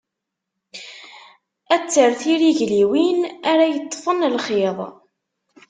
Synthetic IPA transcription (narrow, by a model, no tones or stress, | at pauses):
æt͡sːəɾθiɾiʝliwinæɾajət̪ˤːfənlχiðˤ